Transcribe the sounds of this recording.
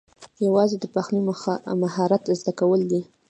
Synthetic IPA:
jawɑzed̪əpaxnimmaɦɑɾat̪zd̪akawəld̪i

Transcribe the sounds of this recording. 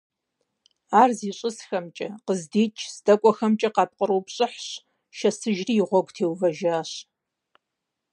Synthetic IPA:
aːrziːɕʼɪsxɐmt͡ʃʼɐqəzdiːt͡ʃʼʰzdɐkʷʼɔxɐmt͡ʃʼɐqɑːp̚qʼəɾowpɕʼɪħɕ | ʃɐsɨʒriːʁʷɔɡʷʼtʰeːwvɐʒaːɕ

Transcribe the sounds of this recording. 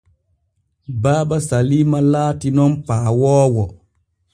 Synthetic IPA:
baːbasaliːmalaːtinɔnpaːwɔːwɔ

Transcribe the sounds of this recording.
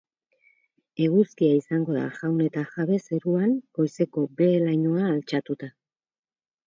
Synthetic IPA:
e̞ɣuskiaisaŋɡo̞ða̰ʝawne̞t̪aʝaβe̞se̞ɾuaŋɡo̞jse̞ko̞be̞lajɲo̞aːlt͡ʃat̪ut̪a

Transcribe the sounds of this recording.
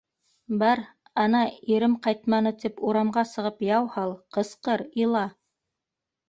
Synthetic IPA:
bɑɾ | ɑnɑiɾɘmqɑjt̪mɑnɤt̪ipuɾɑmɢɑsɤ̆ʁɤpjɑwhɑlˠqɤ̆sqɤɾilˠɑ

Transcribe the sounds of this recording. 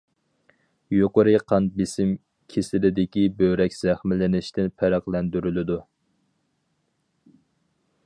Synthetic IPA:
joqəɾɨqʰɑnbɪsɪm | kʲʰesɪlɪd̪ɪkʲibøɾɛkʲz̥æχmɪlɪnɪʃt̪ʰɪnpʰæɾæχlˠɛnd̪yɾylɪd̪u

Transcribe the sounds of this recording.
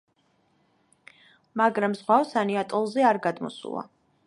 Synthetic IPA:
maɡɾamzʁwavsaniat̪ʼɔlˠzɛaɾɡad̪mɔ̰sṵlˠa̰

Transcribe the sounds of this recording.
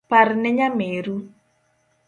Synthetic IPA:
paɾnɛɲameɾu

